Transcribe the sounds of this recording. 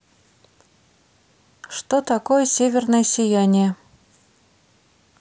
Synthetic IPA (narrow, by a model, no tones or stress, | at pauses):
ʂt̪ot̪ɑkojəsʲevʲɪrnəjsʲɪjanʲiə